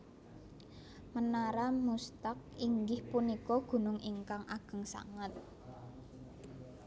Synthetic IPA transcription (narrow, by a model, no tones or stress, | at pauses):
mənaɾamust̪ak̚iŋɡɪhpunikɔɡ̥ṳnʊŋiŋkaŋʔaɡ̥ə̤ŋsa̰ŋət̪̚